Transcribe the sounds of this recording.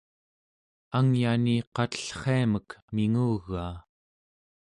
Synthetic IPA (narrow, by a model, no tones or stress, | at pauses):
aŋjaniqɑt̪ə̥ɬχeaməkmiŋuːɣːaː